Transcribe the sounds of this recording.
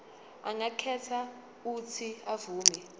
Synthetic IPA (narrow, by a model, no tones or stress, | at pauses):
aŋakʰɛtʰa | utʰiavuːmɛ